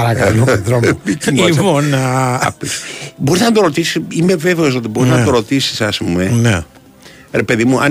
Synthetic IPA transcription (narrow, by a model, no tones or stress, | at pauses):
ɐɾakɐ̃ðɾomiknivonɐ̰pisboɾiznɐt̪̬oɾot̪isi̥simeveveos̬ot̪iboɾiznɐt̪oɾot̪isi̥sɐsmuenɛ | ɾepeðimuɐ̰